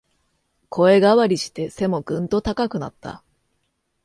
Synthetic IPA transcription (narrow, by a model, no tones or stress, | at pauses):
kʰo̞e̞ɡaβaɾʲiɕi̥t̪e̞se̞mo̞ɡ̥ɯ̟̃nt̪o̞t̪akakɯ̟na̰t̪ːa̰